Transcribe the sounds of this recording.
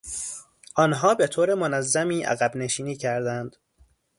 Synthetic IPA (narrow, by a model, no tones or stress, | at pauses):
ʔɒːnɦɒːbe̞t̪ʰoːɾemonæzːæmiːʔæ̰ɣæbne̞ʃiːniːcʰæɾd̪ænd̪̥